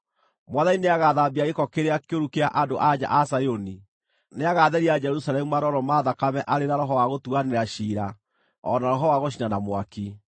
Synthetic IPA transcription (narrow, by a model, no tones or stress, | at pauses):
mwaðanineaɣaðabiaɣekɔkeɾeakeoɾukeaʔadoʔad͡ʑa̰ʔasajoni | neaɣaðɛɾiad͡ʒɛɾusalɛmumaɾɔɾɔmaːðakamɛʔaɾeɾaɾɔɦɔwaɣotuaneɾaɕiːɾa | ɔ̰naɾɔɦɔwaɣoɕ̬inanamwaki